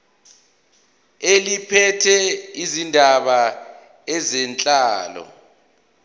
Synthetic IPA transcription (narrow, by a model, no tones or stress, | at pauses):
elipʰɛtʰɛizindʱaɓa | ɛzɛnt͡ɬʼaːlɔ̰